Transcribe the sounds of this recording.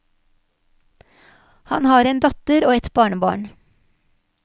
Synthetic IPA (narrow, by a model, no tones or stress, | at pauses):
hɑnhɑːɾeːnd̪ɑt̪əɾoːɛt̪bɑːɳəbɑ̰ːɳ